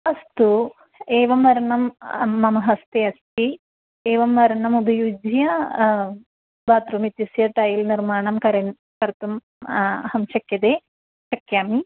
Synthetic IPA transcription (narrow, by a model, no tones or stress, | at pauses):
ɐst̪u | eːʋɐmʋɐɾɐɳɐmːɐmɐɦɐst̪eɐst̪i | eːʋɐmːɐɾɐɳɐmubʱɐjud͡ʒjɐ | baːt̪ɾumit̪jusjɐʈɐjilniɾmaːɳɐmkɐɾɐn | kɐɾt̪um | hɐmʃɐkjɐd̪eː | t͡ʃɐkjaːmi